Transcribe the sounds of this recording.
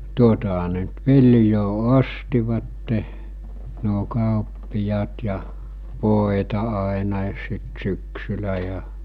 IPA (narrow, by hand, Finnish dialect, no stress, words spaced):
tuotɑɦɑ ne ny̆t ʋiljoː ostiʋɑtːe nuo kɑˑopːijɑːt jɑ ʋoˑetɑ ɑˑenɑˑis sit syksylːæ jɑ